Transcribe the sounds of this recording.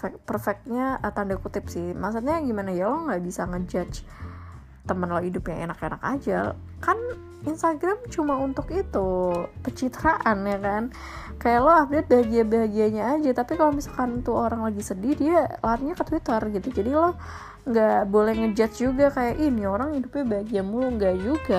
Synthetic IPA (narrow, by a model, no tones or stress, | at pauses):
ɛk̚pərfɛk̪̚ɲaʔət̪andakut̪ɪpsɪhmaks̬ut̪̚ɲaɡimanajalɔŋɡaʔbisaŋəd͡ʒat͡ʃ | t̪əmənlɔhidʊpjaŋḛnakenaka̰d͡ʒa | kan | inst̪aɡɾamt͡ʃumaunt̪ʊkit̪ukət͡ʃit̪əɾaʔanjakan | kajaʔlɔap̚dɛt̪̚baɦaɡiabaɦaɡiaɲaːd͡ʒat̪apikalomisalkant̪uoɾaŋlaɡisədiɾialaat̪̚ɲakət̪wit̪ərɡit̪ud͡ʒadilɔh | ŋɡabolɛhŋəd͡ʒat̪̚d͡ʒuɡakajaʔinioɾaŋhidʊp̚ɲabaɦaɡiamuluŋɡad͡ʒuɡa